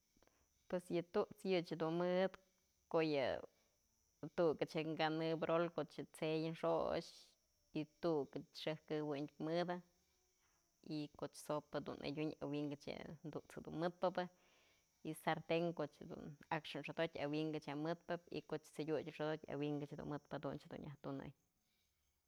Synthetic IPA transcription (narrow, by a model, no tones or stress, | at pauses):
pwesjɨt̪uʔt͡sjɨt͡ʃhed̪unmɨd̪ | kojɨ̰ | t̪ukɨt͡ʃɨŋɡanɨbɾolkoʔt͡ʃɨt͡sejɨnʂo̰t͡ʃ | it̪ukɨt͡ʃʂɨhkɨwɨɲmɨd̪a | ikoʔt͡ʃsopɨd̪ṵnʔḛdʲuɲa̰wiŋɡɨt͡ʃjɨ̰nd̪uʔt͡shed̪unmɨt̪̚pɨbɨ | isaɾt̪eŋkot͡ʃhed̪ṵnakʂɨnʂod̪otʲawiŋɡɨt͡ʃjamɨt̪̚pɨp̚ḭkot͡ʃt͡sɨdʲut͡ʃʲʂod̪ot̚ʲa̰wiŋɡɨt͡ʃhd̪ṵnmɨt̪̚pɨd̪unt͡ʃhed̪ṵnjaht̪unɨ̰j